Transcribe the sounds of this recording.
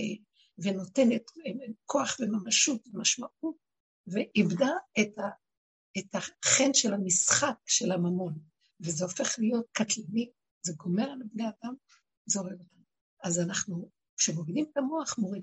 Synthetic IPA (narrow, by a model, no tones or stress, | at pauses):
veno̞te̞netkʰo̞aχvemamaʃutvemaʃmaʔut̚ | veʔibdaeta | etaχenʃe̞lamisχak̚ʃe̞lamamo̞n | vezeo̞fe̞χlijo̞t̚katlani | zeɡo̞me̞ʁalabne̞adam | zeoveɡotam | azanaχnu | kʃemoʁidimetamo̞aχmo̞ʁid